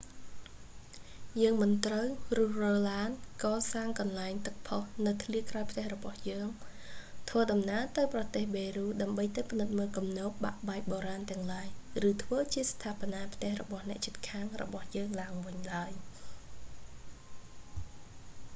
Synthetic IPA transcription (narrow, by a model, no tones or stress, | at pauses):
jəːŋmɨnt̪rəwrʊ̆əhrɔːllaːnkɑːsaːŋkɑnlaɛŋt̪ɨk̚pʰohnɨwt̪ʰliəkraɔjpʰt̪ɛ̆əhrɔɓɑhjəːŋ | t̪ʰʋəːɗɑmnaət̪ɨwprɑt̪eːhɓeːruːɗaəmɓəjt̪ɨpʰnɨt̪̚məːlkumnoːp̚ɓa̰ʔɓaɛk̚ɓoːɾaːnt̪ɛ̆əŋlaəjrɨːt̪ʰʋəːt͡ɕiəst̪ʰaːponaːpʰt̪ɛ̆əhrɔɓɑhnɛ̆əʔt͡ɕiət̪̚kʰaːŋrɔ̰ɓɑhjəːŋlaəŋʋɨɲlaəj